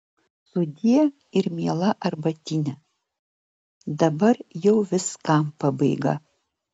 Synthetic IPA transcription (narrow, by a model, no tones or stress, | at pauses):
sʊd̪ʲijɛ | ɪɾmʲiɛːlˠɐʔɐɾbɐt̪ʲiːnʲɛ | d̪ɐbɐɾjɛʊʋʲɪskɐmpɐbɐɪɡɐ̰